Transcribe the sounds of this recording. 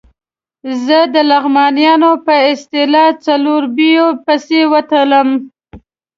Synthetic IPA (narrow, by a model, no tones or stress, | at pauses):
zəd̪əlaɣmɑnijɑnopəɪst̪ɪlɑt͡saloɾbijopəsewət̪ələm